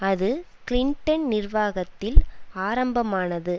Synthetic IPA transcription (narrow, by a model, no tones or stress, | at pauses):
ɐðɯ | kɪlɪɳʈɐnnɪrʋaːɣɐt̪ːɪlaːɾɐmbɐmaːnɐðɯ